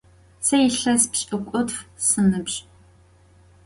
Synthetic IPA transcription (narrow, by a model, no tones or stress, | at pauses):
sɐjɪɬɐspɕʼɨkʷʼʊtfsɨnɨpɕʼ